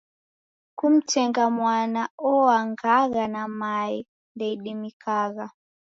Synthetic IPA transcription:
kum̩tɛŋɡamwanaɔwaŋɡaɣanamaɛ | ndɛiɗimikaɣa

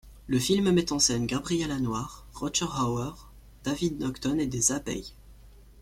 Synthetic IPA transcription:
ləfilmmɛt̪ɑ̃sɛnɡabʁijɛlanwaʁːɔt͡ʃɛʁawœʁ | d̪̥avid̪nɔkt̪ɔned̪ezabɛ̰j

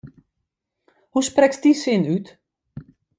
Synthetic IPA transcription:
husprɛksdisɪnyt

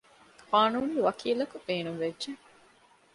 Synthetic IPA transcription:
kaːnuːnːuʋɐkʰiːlɐkub̥eːnuŋʋedʒe

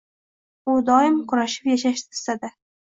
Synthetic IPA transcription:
ʊd̪ɒɪmqʰʊɾaʃɪ̥pjaʃaʃt̪ʰɪ̥sad̪a

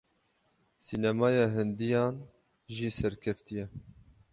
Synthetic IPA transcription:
siːnɛmɑːjɑːɦɨnd̪ijɑːn | ʒiːsɛɾkʰɛft̪ijɛ

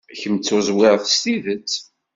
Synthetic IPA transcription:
çəmt͡sːʊzwɪʁθst̪ivət͡sː

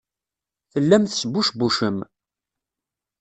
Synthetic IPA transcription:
θəlːæmθə̥səbːuʃbuʃəm

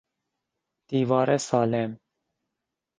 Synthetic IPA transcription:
d̪̥iːvɑːɾɛsɑːlɛm

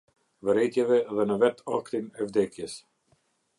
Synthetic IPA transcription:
vəɾɛjt̪jɛvɛðɛnəvɛt̪a̰kt̪inɛvd̪ɛkjəs

